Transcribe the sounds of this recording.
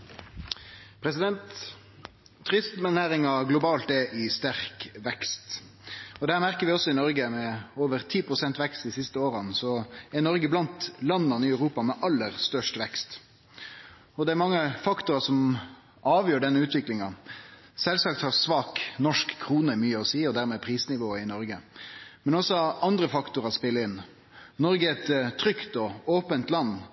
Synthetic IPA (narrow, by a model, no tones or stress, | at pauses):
pʰɾɛsɪd̪ɛnt̪ | ɾɪst̪mɛnæːɾɪŋɑɡlʊbɑːlt̪ɛʔɪst̪æʁkʋɛkst̪ | ɔd̪ɛhæːmæɾkəɾʋɪɔsːɔɪnɔɾɡəmɛoːʋəɾt̪ʰiːpʁʊsɛnt̪ʋɛkst̪d̪ɪsɪst̪əoːɾɑnsɔɛnɔɾɡəblɑnt̪lɑnːɑnəɪœʉɾuːpɑmɛʔɑlːəɾst̪œʂʈʋɛkst̪ | ɔd̪ɛæɾmɑŋːəfɑkt̪ʊɾəsɔm | ɑːʋjøːɖɛnːəʉːt̪ʋɪklɪŋɑ | sɛlsɑːk̚t̪hɑʁsʋɑːknɔʂkʰːɾuːnəmyːəɔsiːɔd̪æːɾmɛːpʰɾiːsnɪʋoːɪnɔɾɡəmɛnɔsɔɑnd̪ɾəfɑkt̪ʊɾɑspɪlːəɪn | nɔɾɡəɛɾɛt̪t̪ʰːɾʏkt̪ɔoːpənt̪lɑnː